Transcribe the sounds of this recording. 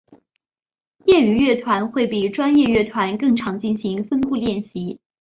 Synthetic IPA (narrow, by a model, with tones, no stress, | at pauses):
jɛ˥˩y˧˥ɥɛ˥˩t̪ʰwa˧˥nxwe˥˩ɪpi˨˩ʈ͡ʂwa˥njɛ˥˧ɥɛ˥˩t̪ʰwa˧˥nkɤ˥˩ŋʈ͡ʂʰɑ˧˥ŋt͡ɕi˥˩nɕi˧˥ŋfə˥nfu˥˧ljɛ˥˩nɕi˧˥